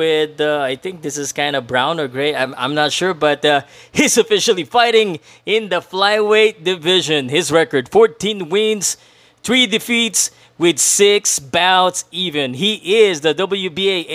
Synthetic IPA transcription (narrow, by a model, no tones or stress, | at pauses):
ɪðaɪθɪ̃ŋk̚ðɪsɨz̥kãɪ̃ndəbɹãʊ̃nə˞ɡɹeɪtãmã̰ɪ̃mnətʃʊɹbʌtʌhizɨfɪʃəl̩ˠifaɪɾɪ̃ŋ | ɪ̃nðəflaɪweɪt̚dɨvɪʒɨ̃nhɪzɹɛkə˞d̥fɔɹtʰːĩnwɪ̃nz̥ | θɹidɨfits | wɪd̪sɪksbaʊtsivɨ̃nɦiʔɪzðədʌbl̩ˠjubieɪ